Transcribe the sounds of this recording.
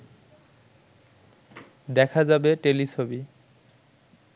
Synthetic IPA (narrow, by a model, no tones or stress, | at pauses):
d̪ɛkʰazabeʈelit͡ɕʰobi